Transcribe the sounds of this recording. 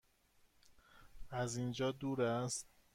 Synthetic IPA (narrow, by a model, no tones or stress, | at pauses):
ʔæzind͡ʒɒːd̪uːɾæst̪̚